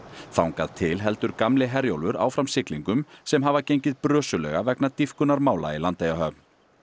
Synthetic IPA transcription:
θawŋkaðt̪ʰɪlɦɛlt̪ʏɾkamlɪɦɛɾjo̰wlvʏɾa̰wfɾamsɪkliŋkʏmsɛmɦavacejɲcɪðpɾœːsʏlɛ̰ɣavɛknat̪ifkʏnaɾmaːwla̰ilant̪ejaɦœːpn

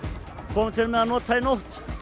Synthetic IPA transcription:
kʰɔːmɪt̪ʰɪlmɛðanɔːt̪ʰajnowht̪

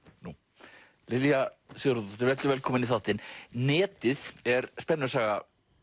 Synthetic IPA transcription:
nu | lɪljasjowɾðɔt̪ɪvɛt̪lʏɾvɛːlkʰɔːmɪniθawht̪ɪnnɛːt̪ɪðɛɾspɛnːʏsaːɣa

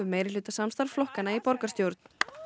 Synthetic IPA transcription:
ʏmeːjɾɪ̥ʏːt̪asamst̪aɾflɔhkanːaipɔɾkaɾ̥st̪jowɾt̪n̥

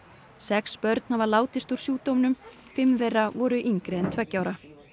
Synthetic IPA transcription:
sɛkspœɾt̪n̥havaɾlaːwt̪ɪst̪uɾ̥sjuːt̪owmnʏm | fɪmːvɛravɔɾʏʔiŋkɾɛɛnt̪ʰvɛcːawɾa

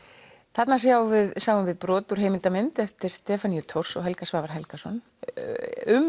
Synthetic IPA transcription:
θat̪nas̬jaːwvɪðsaːwʏmvɪðpɾɔːt̪ʏɾ̥ejmɪlt̪amɪnt̪ɛft̪ɪɾ̥st̪ɛːfanijʏt̪ʰɔwr̥sɔɣɦɛlkasvaːvaɾ̥ɦɛlkasɔn | ʏm

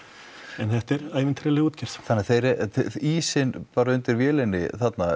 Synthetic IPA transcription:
ɛnθɛht̪ɛɾaːjvɪnt̪ʰɾalɪɣuːt̪cʰɛɾ̥sθanːɛaθejɾɛiːsɪnpaːɾaʏnt̪ɪɾvjɛːlɪnːɪ̰θat̪na

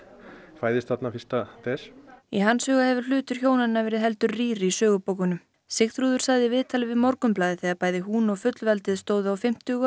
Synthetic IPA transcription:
faːjðɪst̪θat̪nafist̪at̪ɛsiɦanshœːɣahɛvʏ̥l̥ʏːt̪ʏɾ̥çjoːwnanːavɛːɾɪðɦɛlt̪ʏɾriːɾɪisœːɣʏpowkʏnʏm | sɪxɾuːðʏɾ̥saɣðɪvɪðt̪ʰalɪvɪðmɔɾkʏmplaːðɪθɛɣaɾpaːjðɪɦunɔɣfʏt̪lvɛlt̪ɪðst̪oːwðʏawfɪm̥t̪ʏɣ

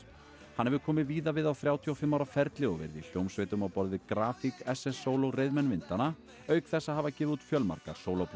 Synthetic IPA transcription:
hanhɛvɪkʰɔːmɪviːðavɪðawθɾjaːwt̪ʰiɔfɪmːawɾafɛɾt̪lɪɔvɛ̰ɾðḭl̥jowmsveːjt̪ʏmawpɔɾðɪkɾaːfikɛsɛsːoːwlɔɣrejðmɛnvɪnt̪ana | œːɥkθɛsːahavacɪːvðuːt̪fjœlma̰ɾka̰̥soːwlowp

